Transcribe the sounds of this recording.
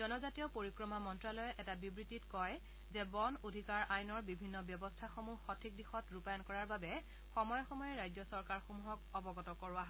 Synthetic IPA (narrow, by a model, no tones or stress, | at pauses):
zɔnɔzatiɔpoɹikɹɔmamɔntɹalɔjɛʔɛtabibɹititkɔj | zɛbɔnodʱikaɹajnɔɹbibʱinːɔbjɔbɔstʰaxomuxɔtʰik̚dixɔtɹupajɔnkɔɹaɹbabɛ | xɔmɔjɔxɔmɔjɛɹajzɔsɔɹkaɹxomuɦɔkɔbɔɡɔtɔkɔɹʊaɦɔ